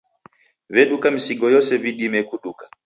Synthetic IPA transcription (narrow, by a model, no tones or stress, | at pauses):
βɛɗukamisiɡɔjɔsɛviɗimɛkuɗukḁ